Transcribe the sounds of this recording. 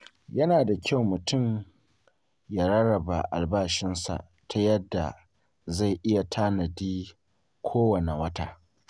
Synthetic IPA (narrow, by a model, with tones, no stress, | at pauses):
jɐ˦naː˨da˨kʲa˦˨wmʊ˨tʰʊ˦˨m | jaː˨ɾɐ˦ɽɐ˨ba̰˨ʔa̰˨lbaː˦ʃɪ˦nsa̰˨ʔ | tʰa˦jɐ˦dːa̰˨ | za˦˨ʔɪ˦ja˨tʰaː˦nɐ˨diː˦ | kʷʰoː˦wɐ˨ne˨wɐ˦taː˦